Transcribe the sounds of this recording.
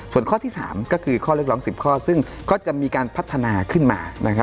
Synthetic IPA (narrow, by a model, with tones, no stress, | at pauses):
su˨˩ənkʰɔː˥˩t̪ʰiː˥˩sa̰ː˩˦mkɔː˥˩kʰɯː˧kʰɔː˥˩lɯ˦˥k̚lɔː˨˦ŋsi˨˩p̚kʰɔː˥˩sɯ˥˩ŋ | kɔː˥˩t͡ɕa˨˩miː˧kaː˧npʰa˦˥t̪ʰːa˧naː˧kʰɯ˥˩nma̰ː˧na˦˥kʰa˦˥